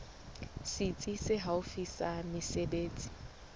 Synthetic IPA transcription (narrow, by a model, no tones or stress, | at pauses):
sit͡sʼisɪɦaʊfisamɪsebeːt͡sʼi̥